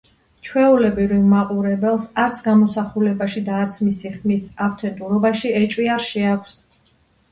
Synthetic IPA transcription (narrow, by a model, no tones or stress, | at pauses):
t͡ʃʰwɛulɛbiɾilˠmaqʼuɾɛbɛlˠsaɾt̪sʰɡamɔsaχulɛbaʃid̪aːɾt̪sʰmisiχmisaft̪ʰɛnt̪ʼuɾɔbaʃiɛt͡ʃʼwiaɾʃɛakʷʰs